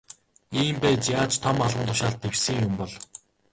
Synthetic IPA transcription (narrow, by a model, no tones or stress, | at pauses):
iːmpæːt͡ɕjaːt͡ɕt̪ʰɔmaɮʁə̆nt̪ʰʊʃaːɮt̪ʰːewsɘ̆ŋjʊmpɔɮ